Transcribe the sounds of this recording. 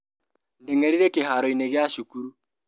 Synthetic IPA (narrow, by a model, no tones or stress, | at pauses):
n̩deŋeɾiɾekeɦaɾɔineɡeaʃukuɾu